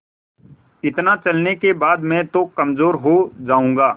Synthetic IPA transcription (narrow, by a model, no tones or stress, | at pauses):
ɪt̪nat͡ʃɐlnekebaːd̪mɛ̃ːt̪okɐmzoːɾɦod͡ʒaːũːŋ̆ɡaː